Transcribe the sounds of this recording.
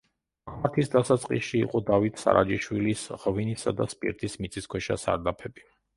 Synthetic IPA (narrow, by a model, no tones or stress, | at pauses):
aɾt̪ʰisd̪asat̪sʼqʼḭsʃḭːqʼɔd̪avit̪ʰsa̰ɾʔad͡ʒiʃwilisʁvinisad̪aspʼḭɾt̪ʰismit̪sʼiskʰwɛʃasa̰ɾd̪apʰɛbi